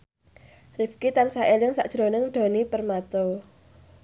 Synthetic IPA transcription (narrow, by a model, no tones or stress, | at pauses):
rifkit̪ansaelɪŋsaʔd̥ʒ̥ɾonɪŋɖ̪̥o̤nipərmat̪o